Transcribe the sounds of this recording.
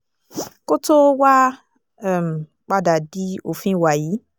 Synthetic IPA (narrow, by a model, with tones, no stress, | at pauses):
ko˦to˦wa˦˨ | m˨ | k͡pa˦da˨di˨˦o˨fĩ˦˨wa˨ji˨˦